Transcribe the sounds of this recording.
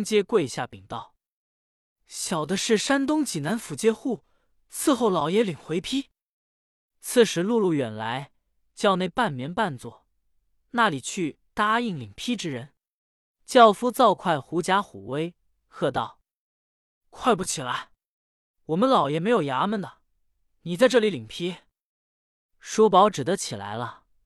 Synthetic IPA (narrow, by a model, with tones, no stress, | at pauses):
ŋt͡ɕjɛ˥kwe˥˧ɪɕja˥˩pi˨˩ŋt̪ɑ˥˩ʊ | ɕjɑ˨˩ʊd̪ə˦ʂɻ̩˥˩ʂa˥nt̪̬ʊ˥ŋt͡ɕi˨˩na˧˥nfu˨˧˥t͡ɕjɛ˥xu˥˩ | t͡sʰɹ̩˥˧xo˥˩ʊlɑ˨˩ʊjɛ˧˥li˨˩ŋxwe˧˥ɪpʰi˥ | t͡sʰɹ̩˥˩ʂɻ̩˧˥lu˥˧lu˥˩ɥɛ˨˩nla˧˥ɪ | t͡ɕjɑ˥˧ʊne˥˧ɪpa˥˩nmjɛ˧˥npa˥˧nt͡swɔ˥˩ | na˥˩li˨˩t͡ɕʰy˥˩ | t̪a˥i˥˩ŋli˨˩ŋpʰi˥ʈ͡ʂɻ̩˥ɻə˧˥n | t͡ɕjɑ˥˩ʊfu˥t͡sɑ˥˧ʊkʰwa˥˩ɪxu˧˥t͡ɕja˥xṵ˨˩we˥ɪ | xɤ˥˧t̪ɑ˥˩ʊ | kʰwa˥˧ɪpu˥˩t͡ɕʰi˨˩la˧˥ɪ | wɔ˨˩mə˦nlɑ˨˧˩ʊjɛ˨˩me˧˥ɪjo˨˩ʊja˧˥mə˨nd̪ə˩ | ni˨˩t͡sa˥˧ɪʈ͡ʂɤ˥˩li˧˥li˨˩ŋpʰi˥ | ʂwɔ˥pɑ˧˥ʊʈ͡ʂɻ̩˨˩d̪ə˦t͡ɕʰi˨˩la̰˧˥ɪlə˧